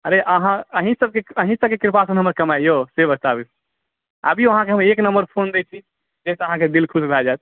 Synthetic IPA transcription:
əɾeʔəɦãəɦĩsəb̚keəɦĩsəb̚kekiɾpasənɦəməɾkəmajjosebət̪abis | ə̰bʱiʋəɦãkeɦəmeknəmbəɾpʰond̪et͡ʃʰi | d͡ʒɛseəɦãked̪ilkʰusɾad͡ʒat̪̚

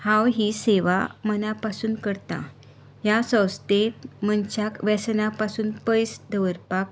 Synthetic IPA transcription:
hãwɦiːseʋa̰mənapasuːnkəɾt̪ã̰ | ɦjasə̃wst̪et̪mənt͡ɕjakʋɛsənapasuːnpəjsd̪əʋəɾpak̚

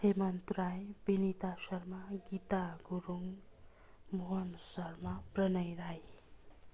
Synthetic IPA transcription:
hemʌnt̪rajbinit̪asʌrmaɡit̪aɡuɾuŋ | muɦʌnsʌrmaprʌnʌjɾaj

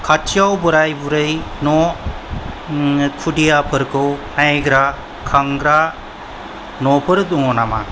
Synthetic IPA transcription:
kʰat͡ʃʰiawbɔɾajbuɾɯjnɔ | kʰudijapʰɯɾkʰɯwnajɡɾa | kʰaŋɡɾa | nɔpʰɯɾd̪uŋɔnama̰

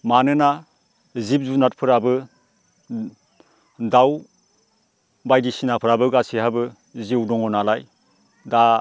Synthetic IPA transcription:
manɯna | zip̚zunat̚pʰɯɾabɯ | daw | bajdisinapʰɯɾabɯɡasihabɯ | ziwdɔŋɔnalaj | da

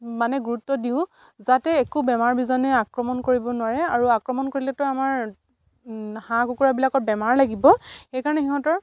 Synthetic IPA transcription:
manɛɡuɹutːɔdiʊ̃ | zatɛːkubɛmaɹbizɔnɛakɹɔmɔnkoɹibɔnwaɹɛaɹuakɹɔmɔnkoɹilɛtɔjamaɹ | hãkukuɹabilakɔt̚bɛmaɹlaɡibɔxejkaɹɔnɛxiɦɔ̃tɔɹ

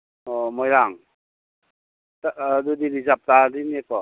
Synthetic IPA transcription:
ɔmɔjɾaŋ | tadud̪iɾizap̚tadinekɔ

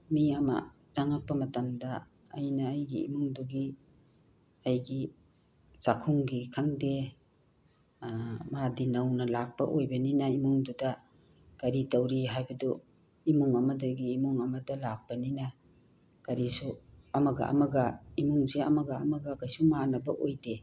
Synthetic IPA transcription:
miɐmɐ̰ | t͡ʃaŋak̚pɐmɐtamdɐ̰ː | jnɐːjɡḭːmuŋduɡi | ɐjɡi | sakʰuŋɡikʰaŋde | madinawnɐlak̚pɐʔojbɐninɐimuŋdudɐ | ɡ̥ɐɾitawɾiɦajbɐdu | imuŋɐmɐdɐɡiːmuŋɐmɐdɐlak̚pɐninɐ | ɡ̥ɐɾisuɐmɐɡa̰ʔa̰mɐɡɐimuŋzeɐ̰mɐɡa̰ːmɐɡɐkajsumanɐbɐʔojde

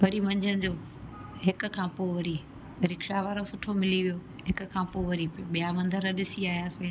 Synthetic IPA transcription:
ʋɐɾimɐ̃ɲd͡ʑʱənɪ̆d͡ʑoː | ɦɪkʊ̆kʰãːpoʋɐɾi | ɾɪkʃaʋaːɾosʊʈʰomɪliʋijoː | ɦɪkʊ̆kʰãːpoʋɐɾiɓijamɐ̃nd̪ʱəɾəɗɪsiaːɦijaːseː

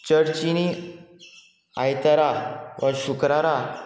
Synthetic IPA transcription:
t͡ɕəɽt͡ɕini | ajt̪aɾaʋəɕukɾaɾa

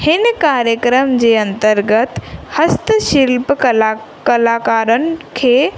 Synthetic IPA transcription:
hɪnkaːɾjəkɾəmd͡ʑeːɐ̃nt̪əɾɡət̪hɐst̪əʃɪlp | kɐlaːkaːɾənɪ̆kʰeː

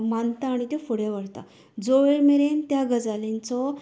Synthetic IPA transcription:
mant̪aːɽ̃it̪efoɽjaʋəɽt̪a̰ | d͡zoʋeɭmeɾent̪jaɡəd͡zalẽnt͡sɔ

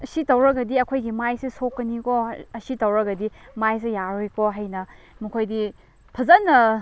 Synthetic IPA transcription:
ɐsitɐwɾɐɡɐdiɐkʰojɡimajsesokːɐnikoɐsitɐwɾɐɡɐdimajs̬ejaɾojkoɦajnɐ | mɐkʰojdi | pʰɐzɐnːɐ

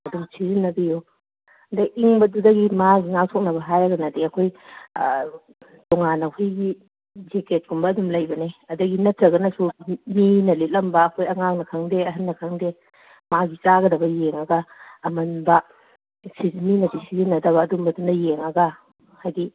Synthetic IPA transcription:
ɐdumsʰizinːɐbiju | dɐʔiŋbɐdudɐɡimaɡiŋawtʰok̚nɐbɐɦajɾɐɡɐnɐdiɐkʰoj | tɔŋanɐhujɡi | d͡ʒeket̚ɡumbɐːdumlɐjbɐneɐdɐɡinɐtɾɐɡɐnɐsuminɐletlɐmbɐːkʰojɐŋak̚nɐkʰɐŋdeɐɦɐnːɐkʰɐŋde | maɡit͡ʃaɡɐdɐbɐjeŋɐɡɐːmɐnbɐ | sizminɐdisizinːɐdɐβɐːdumbɐdundɐjeŋɐɡɐ | hajɡi

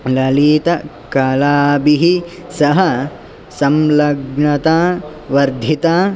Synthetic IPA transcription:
lɐliːt̪ɐ | kɐlaːbiɦisɐɦɐ | sɐmlɐɡɳɐt̪aː | ʋɐɾd̪ʱit̪aː

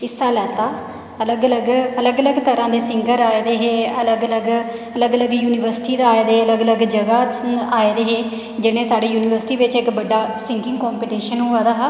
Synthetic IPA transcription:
ɪsaːlɛːt̪aː | ələɡələɡələɡələɡt̪əɾãːd̪eːsɪŋɡəɾaːeːd̪eːɦeːələɡələɡələɡələɡjuːnɪʋəɾsʈiːd̪aaːed̪eːələɡələɡd͡ʒəɡaːaːed̪eːɦeː | d͡ʒɪɽẽːsaːɽeːjuːnɪːʋəɾsɪʈiːʋɪt͡ʃɪkbəɖːaːsɪ̃ŋkɪ̃ŋɡkɔːmpiːʈiːʃənɦʊaːd̪aːɦ

